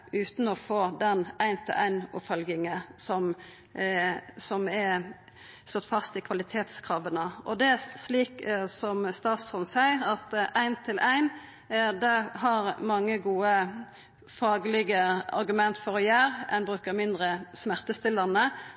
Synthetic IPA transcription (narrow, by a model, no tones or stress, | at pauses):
ʉːt̪n̩ɔfoːd̪ɛnæɪnt̪ʰɪlʔæ̰ɪnʊ̰pfœlɡɪŋəsɔm | sɔmɛ | slɔt̪ːfɑst̪ɪkʰʋɑlɪt̪ʰeːt̪skʰʁɑːʋənəʔɔd̪ɛæsliːksɔmst̪ɑːt̪sɔnsæɪəɾɑt̪ʔæɪnt̪ʰɪlʔæɪn | d̪ɛɦɑɾmɑŋːəɡuːə | fɑːɡlɪɡəɑ̰ɾɡʉmɛnt̪fɔɾɔjæːɾɛnbɾʉːkəʁmɪnd̪ʁəsmæʁt̪əst̪ɪlːənə